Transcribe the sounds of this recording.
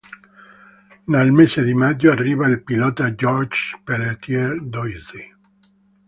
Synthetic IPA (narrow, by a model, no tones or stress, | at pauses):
nelmesed̪imad͡ʒːoarːiːvailpilɔːt̪ad͡ʒɔrd͡ʒpelet̪jɛrd̪oizi